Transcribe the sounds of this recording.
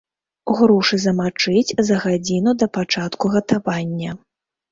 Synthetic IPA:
ɣɾɔʂɨzɐmat͡ʂɨt͡sʲzɐɣad͡zʲinud̪ɐpat͡ʂat̪kuɣɐt̪avanʲːɐ

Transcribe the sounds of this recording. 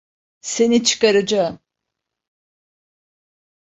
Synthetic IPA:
se̞nit͡ʃʰɯ̥kaɾad͡ʒa

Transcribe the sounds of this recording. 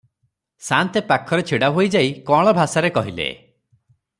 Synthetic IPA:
sant̪epakʰɔɾet͡ʃʰiɽaɦojd͡ʒajkɔɭ̃ɔbʱasaɾekɔɦilḛ

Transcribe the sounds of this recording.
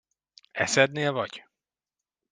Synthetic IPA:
ɛ̰sɛd̪neːlvɒɟ̥

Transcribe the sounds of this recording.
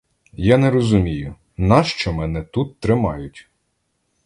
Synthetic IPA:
janɛɾɔzʊmʲijʊ | nɑʃt͡ʃɔmɛnɛt̪ut̪ːɾɪmɑjʊtʲ

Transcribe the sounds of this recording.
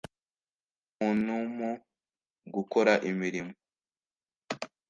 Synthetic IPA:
munumu | ɡukoɾaʔimiɾimo

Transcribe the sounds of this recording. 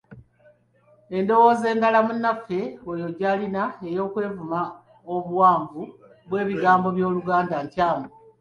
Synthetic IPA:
e̞ndo̞wo̞ːze̞ːŋɡalamunːafːe̞ojo̞ɟalinae̞jo̞ːkwe̞ːvuma | oβuwaːɱvu | βwe̞ːβiɡaːmbo̞βjo̞ːluɡaːndaɲcaːmo

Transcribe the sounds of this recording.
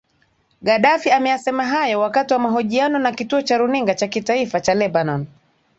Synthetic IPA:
ɠaɗafiamɛjasɛmaɦajɔwakatiwamaɦɔʄianɔnakituɔt͡ʃaɾuniŋɡat͡ʃakitaifat͡ʃalɛbanɔn

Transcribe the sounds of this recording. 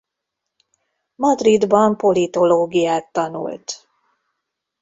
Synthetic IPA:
mɒd̪rid̪bɒmpo̞lit̪o̞loːɡijaːt̪ːɒnṵlt̪

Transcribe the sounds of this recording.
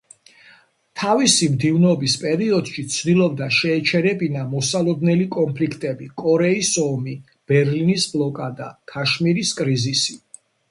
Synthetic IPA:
t̪ʰavisimd̪ivnːbispʼɛɾiɔd̪̥ʃit̪sʰd̪ilˠɔb̚d̪aʃɛːt͡ʃʰɛɾɛbinamɔsalˠɔd̪nɛlikʼɔmpʰlikʰt̪ʼɛbikʼɔɾɛisɔmi | b̥ɛɾlinisblˠɔkʼad̪a̰kʰaʃmiɾiskʼɾizisi

